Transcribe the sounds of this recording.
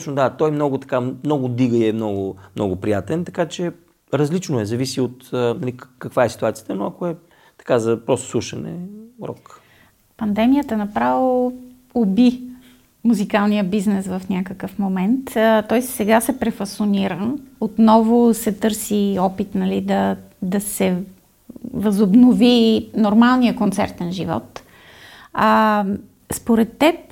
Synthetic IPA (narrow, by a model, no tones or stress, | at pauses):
t͡ʃnod̪at̪ɔjmnɔɡʊt̪ɐ̥kamnɔɡʊd̪iɡəiɛmnɔɡʊmnɔ̰ɡʊpɾijat̪ɛnt̪ɐkat͡ʃɛ | ɾɐzlit͡ʃnoɛzɐvisiot̪ːnɐlikɐkvaɛsi̥t̪uat̪sijə̥t̪ənoɐkoɛ | t̪ɐ̥kazɐpɾɔst̪o̥sˠuʃɐnɛ̰ɾɔ̰k | pɐnd̪ɛmijət̪ənɐpɾavo | obi | muzikalˠnijəbiznɛsvɐfnʲakəkəfmomɛnt̪t̪ɔjsɛɡasɛpɾɛfɐsoniɾəot̪nɔvʊsɛt̪ɤɾsiɔpit̪nɐlid̪ɐ | d̪ɐsɛ | vɐzʊbnovinoɾmalˠnijəkont̪sɛ̰ɾt̪ɛnʒivɔ̰t̪ | a | spoɾɛt̪ːɛp̚